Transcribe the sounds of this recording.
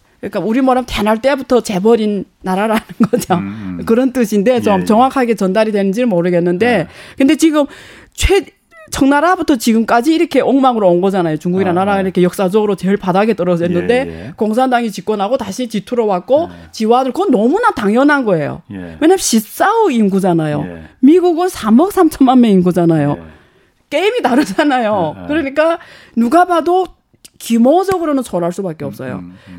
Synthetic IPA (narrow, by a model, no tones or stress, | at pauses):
k͈auɾimaɾamtenaɭt͈e̞butʰʌt͡ɕe̞bʌɾinː | aɾaɾanɯnɡʌd͡ʑokɯɾʌnt͈ɯɕʰinde̞t͡ɕomt͡ɕʌŋwakʰaɡe̞t͡ɕʌndaɾidwe̞nɯnd͡ʑiɾɯɭmoɾɯɡenːɯnde̞kɯnde̞t͡ɕiɡɯm | t͡ɕʰwe | t͡ɕʰʌŋnaɾabutʰʌt͡ɕiɡɯmk͈ad͡ʑiːɾʌkʰe̞ʔoŋmaŋɯɾoonɡʌd͡ʑanajot͡ɕuŋɡuɡiɾanaɾaiɾʌkʰe̞jʌk̚s͈ad͡ʑʌɡɯɾot͡ɕeɭpadaɡe̞t͈ʌɾʌsʰenːɯnde̞koŋs̬ʰandaŋit͡ɕik͈ʌnɦaɡotaɕʰit͡ɕitʰuɾʌwak̚k͈ot͡ɕiwanɯɭkʌnʌmunataŋjʌnɦanɡʌe̞jo̰we̞ɲamɕis͈auinɡud͡ʑanajomiɡuɡɯnsʰamʌk̚s͈ʰamt͡ɕʰʌmanmeinɡud͡ʑanajo | k͈eimitaɾɯd͡ʑanajokɯɾʌɲik͈a | nuɡabado | kimod͡ʑʌɡɯɾonɯnt͡ɕʰʌɾɦaɭs͈ubak͈e̞ʌp̚s͈ʌ̰jo̰